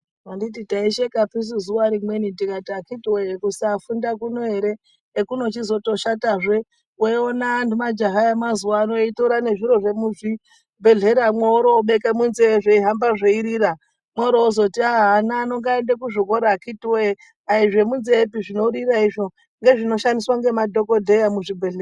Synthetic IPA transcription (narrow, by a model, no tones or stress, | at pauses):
wandititaiʃekapis̬uzuwaɾimwe̞nitikatiakitiwekusaːfundakunoɦe̞ɾe̞ː | kuno̞t͡ʃizo̞to̞ʃataʐe̞ | weonaːntumad͡ʒaɦaemazuwaːno̞itoɾane̞ʐiɾo̞ʐe̞muʐi | bʱe̞ɮe̞ɾamweoɾoːɓe̞kemunzeʐeiɦambaʐeiɾiɾa | mwoɾoːzo̞tiaanaːno̞ŋɡaendekuʐokoɾakitiwe | aiʐe̞munzeːpiʐino̞ɾiraiʐo̞ | ŋɡe̞ʐino̞ʃandiswaŋɡe̞madʱo̞ko̞dʱe̞jamuʐibʱeɮe